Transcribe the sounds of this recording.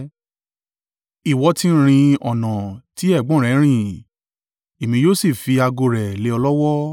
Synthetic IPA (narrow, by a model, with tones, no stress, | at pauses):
i˨wɔ˧˦ti˦ɾ̃ĩ˧ɔ˨nã˨ti˨˦ɛ˦˨ɡ͡bɔ̃˦˨ɾ̃ɛ̃˨˦ɾ̃ĩ˦˨ | e˨mĩ˧˦joː˦si˦˨fi˧a˧ɡo˧ɾɛ˨le˨˦ɔ˧lɔ˦wɔ˦